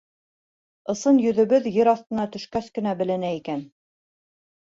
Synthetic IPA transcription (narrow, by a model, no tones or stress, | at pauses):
ɤ̆sɤnjɵ̆ðɵ̆βɘðjɘɾɑθt̪ɤ̆nɑt̪ɵ̆ʃkæskɘ̆næbɘ̆lɘ̆næikæn